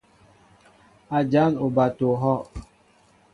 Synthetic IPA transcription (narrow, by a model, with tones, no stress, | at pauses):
a˨d͡ʒa˨˦nu˨ba˨to˨ɦɔ˦˨